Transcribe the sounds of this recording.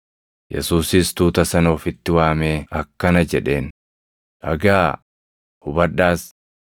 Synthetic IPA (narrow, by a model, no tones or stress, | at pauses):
jɛ̰suːsɪːst̪uːt̪ɐsɐnɐɔfɪt̪ːɪwaːmeːɐkːɐnɐd͡ʒɛᶑe̞ːn | ʔɐ̰ɡaː | hʊbɐᶑaːs